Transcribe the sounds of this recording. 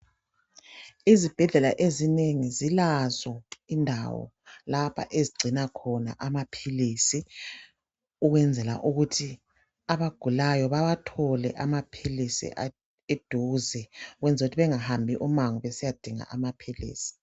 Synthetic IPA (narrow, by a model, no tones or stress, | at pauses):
izib̥ʱɛɮɛla̰ʔezineŋizilazɔindʱa̰wɔ̰ | lapʰa̰ʔeziɡ͡ǀʱinakʰɔna̰ʔamapʰiliːsi | uɣwɛnd͡zʱɛla̰ʔuɣutʰi | aβaɡ̥ʱulajɔβaβatʰɔlɛ̰ʔamapʰilisḭa | ed̥ʱuzɛuɣwɛnd͡zʱaɣutʰiβɛŋahambʱiʔumaŋuβɛsijad̥ʱiŋa̰ʔamapʰilḭːsi̥